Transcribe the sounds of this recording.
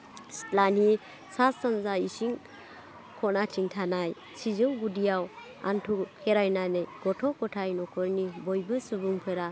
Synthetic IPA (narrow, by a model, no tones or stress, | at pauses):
stlani | sasanzaisiŋ | kʰɔnatʰiŋtʰanaj | sʰizɯwɡudijaw | a̰ntʰukʰeɾajnanɯjɡ̥ɔtʰɔkɔtʰajnɔkʰɔɾnibɔjbɯsubuŋpʰɯɾa